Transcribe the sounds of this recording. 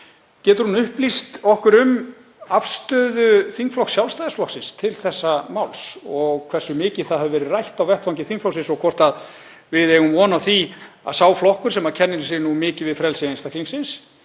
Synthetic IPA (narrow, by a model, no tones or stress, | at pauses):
cɛːt̪ʏɾhunʏhplist̪ɔhkʏɾʏm | afst̪œːðʏθiŋkflɔhksjawlst̪ajðɪsflɔhksɪnst̪ʰɪlθɛsːamawlsɔɣkʰv̥ɛrsʏmɪːcɪ̥θaðhɛvʏvɛːɾɪrajht̪awvɛht̪fawŋcɪθiŋkflɔwksɪ̃nsɔɣkʰvɔr̥t̪að | vɪðejɣʏmvɔːnawθi | a̰ðsaːwflɔhkʏɾ̥sɛmacʰɛnːɪnsɪnumɪːcɪvɪðfɾɛlsɪainst̪ahk̪liŋsɪns